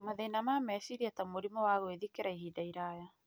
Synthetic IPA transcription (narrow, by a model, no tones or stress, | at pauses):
maðenamamɛsiɾiatamoɾimɔwaːɣoeðikeɾaiɦidaiɾaːja